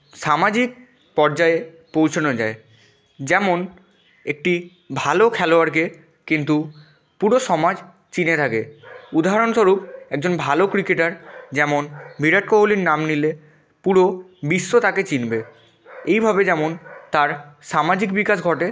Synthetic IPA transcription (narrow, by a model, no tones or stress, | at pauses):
ʃamad͡ʑik̚ | pɔɾd͡ʑae | powt͡ɕʰonod͡ʑae | d͡ʑɛmon | ek̚ʈi | bʱalokʰɛloaɾk̬e | kint̪u | puɾoʃɔmad͡ʑ | t͡ɕinet̪ʰakeud̪aɦaɾonʃoɾup̚ɛk̚d͡ʑonbʱalokɾikeʈaɾd͡ʑɛmonbʱiɾaʈ̚koɦoliɾnamnile | puɾo | bisːot̪aket͡ɕinbe | ejbʱabed͡ʑɛmont̪aɾʃamad͡ʑikbikaʃɡʱɔʈe